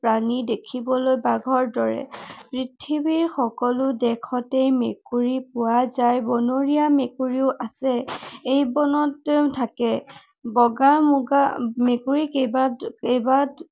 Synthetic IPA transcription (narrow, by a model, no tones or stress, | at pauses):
pɹanidekʰibɔlojbaɡʱɔɹdɔɹɛ̰pɹitʰibiɹxɔkɔlʊdɛkʰɔtejmekuɹipʊwazajbɔnoɹiamekuɹiʊʔasɛejbɔnɔttʰakɛ | bɔɡamuɡamekuɹikebaejba